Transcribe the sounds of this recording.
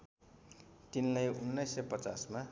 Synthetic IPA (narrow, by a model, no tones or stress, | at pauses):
t̪inlʌjunːʌjsːʌjpʌt͡sasma